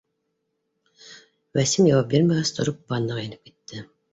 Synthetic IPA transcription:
wæsimjɑwɑp̚bʲeɾmæɡæst̪ʰŏɾup̚bɑnːɑʁenɘp̚ki̥t̪ːɘ

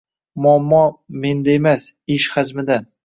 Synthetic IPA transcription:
mʊamːɒme̞nd̪aemas | ɪʃhad͡ʒmɪd̪a

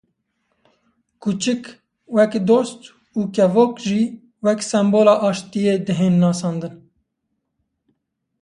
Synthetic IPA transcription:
kʰut͡ʃɨk | wɛkd̪oːst̪ | uːkɛvoːkʒiː | wɛksɛmboːlɑːʔɑːʃt̪ijeːd̪ɨɦeːnːɑːsɑːnd̪ɨn

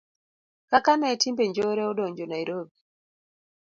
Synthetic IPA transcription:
kakanɛtimbeɲd͡ʒoɾeɔdoɲd͡ʒonajɾobi

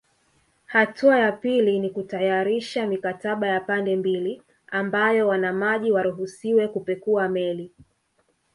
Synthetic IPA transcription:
hatuajapilinikutajaɾiʃamikataɓajapandɛmbili | ambajɔwanamaʄiwaɾuɦusiwɛkupɛkuamɛli

